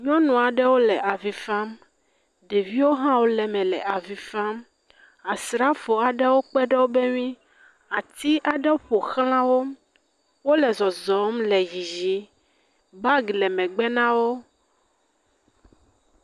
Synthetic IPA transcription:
ɲɔ̃˦nũ˨a˨ɖɛ˦wo˦lɛ˨ʔa˨vi˨fa˦m | ɖe˨vi˦wo˦ɦã˦wo˦lɛ˨mɛ̃˨lɛ˨ʔa˨vi˨fa˦m | a˨sɾa˦fo˨a˨ɖɛ˦wo˦k͡pɛ˦ɖɛ˦wo˦bɛ˦ɲĩ˦ | a˨t̪i˦ʔa˨ɖɛ˦wo˦ɸo˨xl̃ã˦wo˦ | wo˦lɛ˨zɔ˨zɔ˨˦mlɛ˨ji˨zi˨ | ba˦ɡlɛ˨mɛ̃˨ɡ͡bɛ˦nã˦wo˦

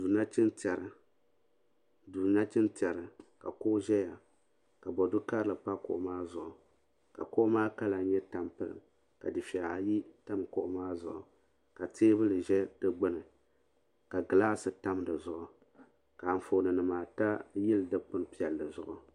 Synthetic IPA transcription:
duː˨na˦t͡ʃɪ˦ntɛ˨ɾɨ˦ | duː˨na˦t͡ʃɪ˦ntɛ˨ɾɨ˨ka̰˨koː˦ʒɛ˦ja˨ | ka˨bɔ˨dʊ˦ka˦ɾɨ˦lɨ˨pa˦kʊ̰˦˨ʔʊ˦maː˦zʊ˨ʔʊ˨ | ka̰˨ko˦maː˦ka˦la˨˦ɲɛ˦ta˦mpɨ˦lɨ̰˨m | ka̰˨dɨ˨fɛ˨a˨ji˦ta˦mkʊ˦ʔʊ˦maː˦zʊ˨ʔʊ˨ | ka˨tʰeː˦bɨ˦lɨ˨ʒɛ˦d̥ɨ˦ɡ͡bɨ˦nɨ˨ | ka˨ɡɨ˨laː˦sɨ˨ta˦m˦dɨ˨zʊ˨ʔʊ˨ | ka˨ɱ̩˨fo˨nɨ˨nɨ˨maː˨ta˦jɪ˦ldɨ˦k͡pʊ˦n˨pi˦ɛ˨lːɨ˨zʊ˦ʔʊ˦

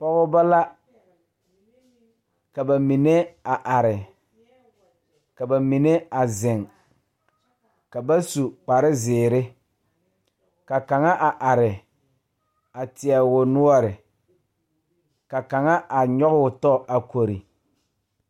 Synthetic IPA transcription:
fɔ˦ɣʊ˦ba˦la˦ | ka˨ba˨mi˨ne˦a˨ʔa˨ɾɪ˨ | ka˨ba˨mi˨ne˦a˨zɪ˨ŋ | ka˨ba˦su˨k͡pa˨ɾɪ˦zɪː˨ɾɪ˦ | ka˨ka˨ŋa˦ʔa˨ʔa˨ɾɪ˨ | a˨tɪ˨ɛ˨wʊ˨nʊ˦ɔ˦˨ɾɪ˨ | ka˨ka˨ŋa˦ʔa˨ɲɔ˦ɣʊ˦˨tɔ˦˨ʔa˨ko˨ɾḭ˨

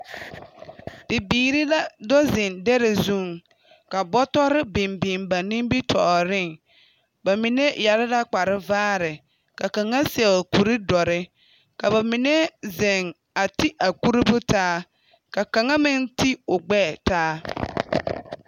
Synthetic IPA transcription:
bɪ˨biː˨ɾi˦la˦dɔ˦zɪ˨ndɛ˦ɾe˨zu˦˨ŋ | ka˨bɔ˦tɔ˦ɾɪ˦bɪ˨mbi˨mba˨nɪ̃˦m˦bi˦tʰɔ̰˨ɾɪ˦˨ŋ | ba˨mɪ˨ne˦ja˨ɾɪ˦la˦k͡pa˨ɾɪ˦vaː˦ɾɪ˨ | ka˨ka˨ŋa˦sɛ˨ku˨ɾɪ˦dɔ˨ɾɪ˦ | ka˨ba˨mi˨ne˦zɛ˨ŋ | a˨ti˦ʔa˨ku˦ɾi˦bʊ˦taː˦ | ka˨ka˨ŋa˦mɪ˦nti˦ʊ˨ɡ͡bɛː˦˨taː˦

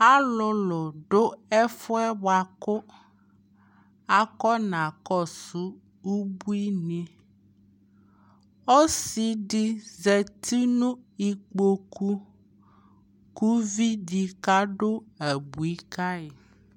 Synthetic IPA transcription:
a˦lɔ˨lɔ˨ɖo˦ɛ˦fɔ˦ɛ˦wa˨ko˦ | a˦kɔ˦nã˨kɔ˦su˨ | u˦bu˦i˦nĩ˦ | o˦si˨ɖi˦zɛ˨t̪i˦nũ˦i˨k͡po˦ku˦ | ku˦vi˦ɖi˨ka˦ɖo˦ɛ˨bu˨i˦ka˦e˨

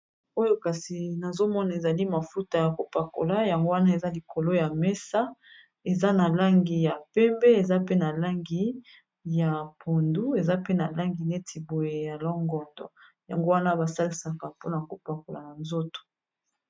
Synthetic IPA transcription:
o˦jo˦ka˨si˨na˨zo˦mɔ˦na˨e˨za˨li˦ma˨fu˦ta˨ja˨ko˦pa˨ko̰˨la˦ja˨ŋɡo˦wa˦na˦e˨za˦li˨ko˨lo˦ja˨mɛ˦sa˦ | e˨za˦na˨la˦ŋɡi˨ja˨pɛ˦mbɛ˦e˨za˦pe˦na˨la˦ŋɡi˨ | ja˨pʰo˨ndu˦e˨za˦pe˦na˨la˦ŋɡi˨ne˦tʰi˨bo˨je˨ja˨lɔ˦ŋɡɔ˨ndɔ̰˨ | ja̰˨ŋɡo˦wa˦na˦ba˨sa˦li˨sa˨ka˨po˦na˨ko˨pa˨ko˨la˨na˨nzo˦to̥˨

